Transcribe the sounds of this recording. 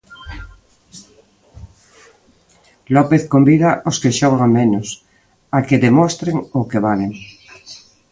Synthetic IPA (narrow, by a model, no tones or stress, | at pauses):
lopeθkombiðaʔoskeʃoɣamẽnos | akeðemost̪ɾeŋokeβaleŋ